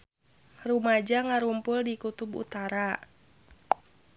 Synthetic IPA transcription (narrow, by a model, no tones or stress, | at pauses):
rumad͡ʒaŋaɾumpʊldikut̪ubṵt̪aɾa